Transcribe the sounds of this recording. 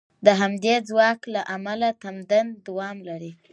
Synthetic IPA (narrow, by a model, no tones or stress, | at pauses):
d̪əɦamd̪ed͡zwɑklaʔamalat̪amd̪and̪awɑmlaɾi